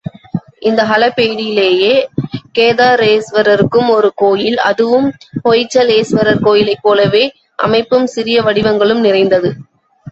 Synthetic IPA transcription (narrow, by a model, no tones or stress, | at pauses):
ɪnd̪ɐɦɐlɐpːeːɽɪjɪleːjeːkeːðaːɾeːsʋɐɾɐɾɯkːɯmɔɾɯkoːjɪlɐ̰ðɯʋɯmpɔjɪt͡ʃːɐleːsʋɐɾɐɾkoːjɪlɐɪpːoːlɐʋeː | ʔɐ̰mɐɪpːɯmsɪɾɪjɐʋɐɽɪʋɐŋɡɐɭɯmnɪrɐɪnd̪ɐðɯ